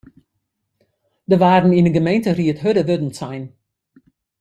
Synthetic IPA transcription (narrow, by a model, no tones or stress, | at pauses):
dəʋaːrn̩inəɡəmejntəriətɦødəʋødən̩sɛjn